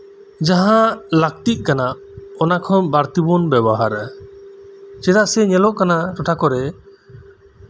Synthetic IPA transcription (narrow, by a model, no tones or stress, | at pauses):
d͡ʒaɦãlak̚t̪iʔ̪̚ˀkanaʔ | ɔnakʰɔ̃baɾt̪ibɔnbɛbɔɦaɾ | t͡ʃɛɾaʔsɛɲɛlɔʔkanaɾɔʈʰakɔɾɛ